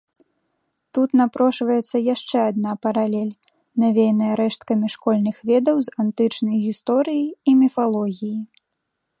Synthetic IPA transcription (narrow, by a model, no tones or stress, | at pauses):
t̪ut̪napɾɔʂvɐjɛt̪sːɐjaʂt͡ʂɛad̪̚napɐɾalʲɛlʲ | navʲejnɐjɐɾɛʂt̪kɐmʲiʂkɔlʲnɨxvʲɛd̪ɐwzant̪ɨt͡ʂnɐjɣʲist̪ɔɾɨjiimʲɛfalˠɔɣʲiji